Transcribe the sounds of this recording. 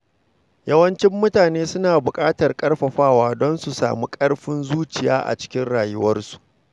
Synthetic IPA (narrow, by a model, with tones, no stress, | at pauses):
jɐ˦wɐ˦nt͡ʃɪ˦mːʊ˦taː˨neː˦sʊ˦naː˨bʊ˨kʼaː˦tɐ˨rkʼɐ˦rɸɐ˨ɸaː˦waː˦dɔ˦nsu˨sa̰ː˨mu˦kʼɐ˦ɽɸɪ˦nzuː˦t͡ʃɪ˨ja̰ː˦ʔa̰˨t͡ʃɪ̥˦kʲɪ˦nɽaː˨jʊ˦wɐ˦rsu̥˨ʔ